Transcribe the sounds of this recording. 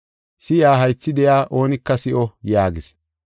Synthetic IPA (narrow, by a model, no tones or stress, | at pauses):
sɪjaːɦɐjt͡sːɪd̪ɛjaːʔo̞ːnɪkːɐsɪʔɔjaːɡɪs